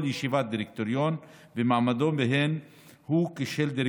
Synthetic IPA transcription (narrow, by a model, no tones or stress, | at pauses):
ljiʃivat̪̚d̪iɾek̚t̪oɾjon | vemaʕmad̪ombeɦen | hukiʃeld̪iɾ